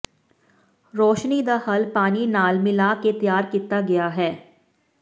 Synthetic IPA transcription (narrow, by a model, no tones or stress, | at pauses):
ɾɔːʃnid̪ahɐlpaːninaːlmɪlaːket̪jaːɾkit̪aɡɐjaɦɛː